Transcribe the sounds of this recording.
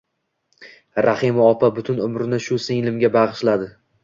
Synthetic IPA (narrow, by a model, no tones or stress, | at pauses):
ɾaχɪmɒpʰabʊt̪ʰʊnʊmɾɪnɪʃʊsɪŋlɪmɡʲabaʁɨʃlad̪ɪ